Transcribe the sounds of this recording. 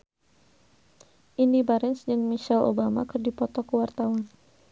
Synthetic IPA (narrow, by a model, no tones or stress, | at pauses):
ʔindibaɾɛnsd͡ʒɨŋmiʃɛlo̰bama̰kɨrdipɔt̪ɔkəwart̪awan